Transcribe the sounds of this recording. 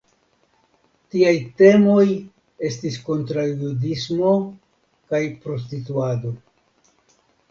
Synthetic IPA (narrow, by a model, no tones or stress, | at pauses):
tiajte̞mo̞j | e̞stisko̞ntɾajudismo̞ | kajpɾo̞s̬tituado̞